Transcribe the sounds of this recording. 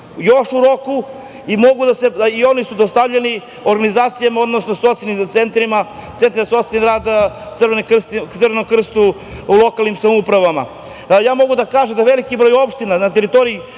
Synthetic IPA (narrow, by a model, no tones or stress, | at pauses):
jo̞ʃuɾo̞ku | imo̞ɡud̪ase̞io̞nisud̪ost̪avʎeni | oɾɡanizaːt̪sijamao̞d̪nosnosot̪senimt̪sent̪ɾima | t̪sent̪ɾsoseniɾaːd̪ | srenkr̩st̪t̪ɨrʋenomkr̩st̪u | ulˠo̞kalˠnimsamoupɾaʋama̰ | jaːmo̞ɡud̪akaːʒemd̪aʋelikibɾo̞ːjo̞pʃt̪inanat̪eɾit̪o̞ɾii